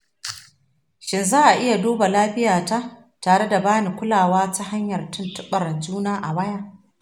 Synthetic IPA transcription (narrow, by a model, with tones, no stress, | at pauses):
ʃɪ˨nzaː˦ʔa˨ʔɪ˦ja˨duː˦ba˨laː˦ɸɪ˦jaː˨ta˦ | taː˨ɽe˦da˨baː˦ni˨kʷʊ˦laː˨waː˦ta˦ɦa˦ɲjɐ˨rtʊ˦ntʊ˦ɓɐ˨rd͡ʒuː˦naː˦ʔa˨wɐ˦ja˦ʔ